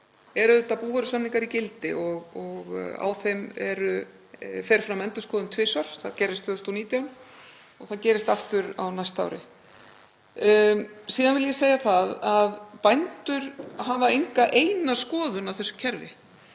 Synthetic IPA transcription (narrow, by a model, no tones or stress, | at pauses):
ɛɾʏʏt̪apuːvaɾʏsamniŋkaɾicɪlt̪ɪ̰ɔɣɔɣa̰wθejmɛɾʏ | fɛːɾ̥fɾamːɛnt̪ʏskɔːðʏnt̪ʰvɪːsvaɾ̥θaðcɛɾɪst̪fœːðʏst̪ɔniːt̪jawn | ɔɣθaðcɛːɾɪst̪aft̪ʏɾa̰wnajst̪a̰wɾɪ̰ | siːðanvɪljɛseːjaθaðaðpajnt̪ʏɾ̥ɦavaejŋkaʔejnaskɔːðʏnawθɛsːʏcʰɛɾvɪ̰